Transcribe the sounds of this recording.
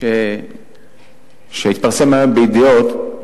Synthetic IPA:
e | ʃeit̪̚paʁsemabeid̪ijot̪

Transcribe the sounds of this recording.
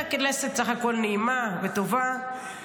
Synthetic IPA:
akileset̪̚t͡saχakolneimavet̪ova

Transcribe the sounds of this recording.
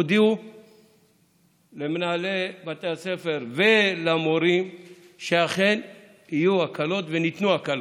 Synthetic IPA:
d̪iu | lemnaːlebat̪ease̞fe̞ɾvelamoɾim | ʃeaχe̞n | ijuakʰalo̞t̪venit̪nuakalo

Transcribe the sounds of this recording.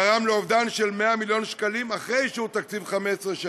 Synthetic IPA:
aʁamleovd̪anʃelme̞amiljo̞nʃkalimaχʁejʃeut̪ak̚t͡sivχamesʁeʃa

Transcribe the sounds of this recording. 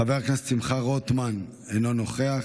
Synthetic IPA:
aveʁknast͡simχaʁot̪man | enono̞χea

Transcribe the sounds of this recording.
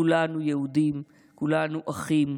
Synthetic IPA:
ulanujehud̪im | kulanuʔaχim

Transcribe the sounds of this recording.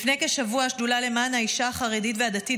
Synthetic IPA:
fne̞jkeʃavuaʃdulale̞manhaiʃaːχaʁeditvead̪ati

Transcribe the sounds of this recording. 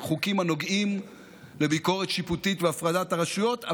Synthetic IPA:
χukimhano̞ɡim | le̞biko̞ʁet̪ʃiput̪it̪veafʁadataʁaʃujo̞ta

